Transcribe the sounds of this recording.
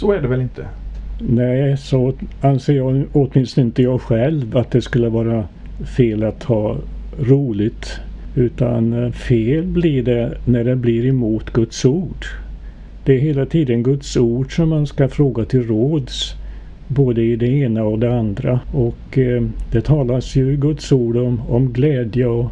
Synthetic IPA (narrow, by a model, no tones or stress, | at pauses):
sɔæɖɛvɛlɪnt̪ʰə̰nɛɪsɔanseːjɑɔt̪mɪnst̪əɪnt̪əjɑːɡɧɛlvat̪̚d̪ɛskɵlːəvɑːɾa | feːlat̪hɑːɾuːlɪɡt̪ʉ̟ːt̪a̰nfeːlblɪɖɛnæɖɛblɪɾɛmuːt̪ɡɵt̪suːɖ | d̪̥ɛæɾɦeːlat̪ʰiːd̪ənɡɵt̪suːɖʂɔmːanskafɾoːɡat̪ʰɪlɾoːd̪s | boːd̪əɪd̪ɛeːnaɔd̪ɛand̪ɾaɔkd̪̥ɛt̪ʰɑːlasjɵɡɵt̪suːɖɔmɔmɡlɛːd̪jəɔ